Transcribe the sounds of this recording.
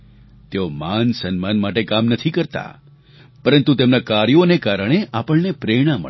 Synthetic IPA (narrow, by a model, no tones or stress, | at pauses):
t̪eomansənmanmaʈekamnət̪ʰikəɾt̪a̰ | pəɾənt̪ut̪emnakaɾjonekaɾəɳ̃eʔapəɭnepɾeɽ̃amə̰